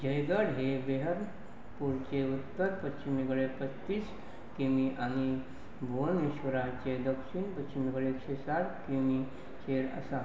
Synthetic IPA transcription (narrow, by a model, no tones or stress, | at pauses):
d͡ʑəjɡəɽɦebeɦəɾ | puɾt͡ɕeut̪ːəɾpətt͡ʃimiɡɭepətːis | kimiʔañi | bʱoneɕʋəɾat͡ɕed̪əkʃinpətt͡ʃimiɡɭeeksesaɽkimi | t͡ɕeɾə̰sa